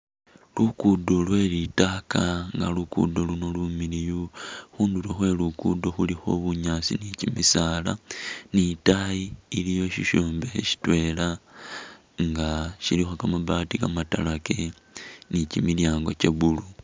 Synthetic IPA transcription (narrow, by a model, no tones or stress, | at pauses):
lukudo̞lwe̞ːlitaːkaŋɡa̰lukṵdo̞luno̞lumilijuxuːndulixwe̞lukudo̞xulixo̞̰βuɲasḭnicimisala̰nitajiːlijo̞ʃiʃoːmbe̞xḛʃi̥twe̞la | ŋɡaʃilixo̞kamaβaːtikamata̰lake̞ | nicimiljaːŋɡo̞̰ce̞βulu